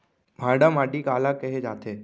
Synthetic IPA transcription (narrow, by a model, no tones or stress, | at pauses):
mʱaːɖamaːɖikaːlakəɦed͡ʒa̰ːt̪ʰeː